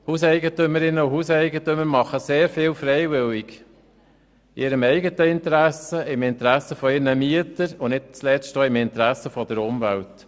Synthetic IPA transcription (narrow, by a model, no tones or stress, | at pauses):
husɛɪɡətʏməɾɪnːəʊhusɛɪɡətʏməɾmɑχəseːɾfɪːlfɾɛjʋɪliɡ | ɪɾəmɛɪɡətəɪnt̪əɾæsəɪmɪnt̪əɾæsəfɔɪɾnəmiətəɾʊnɪt̚t͡slɛstoːɪmɪnt̪ɾæsːəfɔd̥əɾʊmvælt